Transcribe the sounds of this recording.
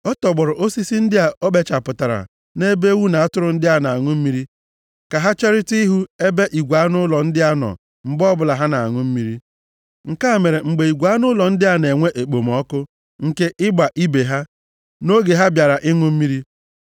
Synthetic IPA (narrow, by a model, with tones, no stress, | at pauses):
ɔ˦tɔ˨ɡ͡bɔ˨ɾɔ˨ʔo˦si˦si˦n̩˦dɪ˦a˨o˦ɓe˦t͡ʃa˨pʊ˨ta˨ɾa̰˨ | ne˦be˦wu˦na˨a˦tʊ˦ɾʊ˨n̩˦dɪ˦a˦na˨a˨ŋʊ˦m̩˦mi˦ɾi˦ | ka˨ɦa˦t͡ʃe˦ɾɪ˦ti˦i˦ɦu˦e˦be˦ʔi˨ɡʷa˨˦nʊ˦lɔ˨n̩˦dɪ˦a˦nɔ̰˨ | m̩˨bɔ˦bʊ˦˨la˨ɦa˦na˨a̰˨ŋʊ˦m̩˦mi˦ɾi˦ | ŋ̩˨ka˦a˨me˨ɾe˨ŋ͡m̩˨ɡ͡be˨i˨ɡʷa˦nʊ˦lɔ˨n̩˦dɪ˦ɦa˦ne˨ŋʷe˦ʔe˨k͡po˨m˨ɔ˦kʊ˦ | ŋ̩˨ke˦ʔɪ˦ɡ͡ba˨ʔi˦be˨ɦa˦ | no˦ɡe˨ɦa˦bja˨ɾa˨ʔɪ˦ŋʊ˦m̩˦mi˦ɾi˦